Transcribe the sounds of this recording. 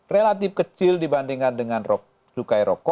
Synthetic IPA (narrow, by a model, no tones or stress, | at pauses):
relat̪ɪfkət͡ʃɪldibandiŋandəŋanrɔ | sukajɾɔkɔ